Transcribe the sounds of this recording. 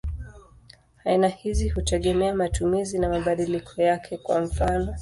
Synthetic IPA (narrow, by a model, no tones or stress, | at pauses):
ainahizihutɛɠɛmɛamatumizinamaɓaɗilikʰɔjakʰɛkwa̰m̩fanɔ